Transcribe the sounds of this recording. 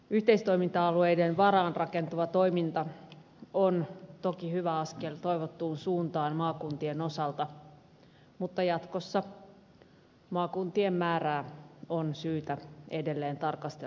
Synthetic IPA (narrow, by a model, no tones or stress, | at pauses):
yht̪eist̪oimint̪ɑɑluejdenʋɑɾɑːnrɑkent̪uʋɑt̪oimint̪ɑ | ont̪okihyʋæɑskelt̪oiʋot̪ːuːnsuːnt̪ɑːnmɑːkunt̪ieno̞sɑlt̪ɑ | mut̪ːɑjɑt̪kosːɑ | mɑːkunt̪iemːæːɾæːonsyːt̪æedelːeːnt̪ɑrkɑst̪e